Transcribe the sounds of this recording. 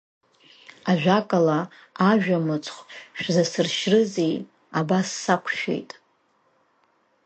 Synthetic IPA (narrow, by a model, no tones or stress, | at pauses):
aʒᶣakʼala | aʒᶣamɨt͡sʰʼχʷʃᶣzasɨrʃrɨzij | abasːakʷʰʃᶣḛjtʼ